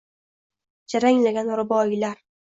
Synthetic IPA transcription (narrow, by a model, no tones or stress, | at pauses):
d͡ʒaɾaŋlaɡʲanɾɪbɒjɪlaɾ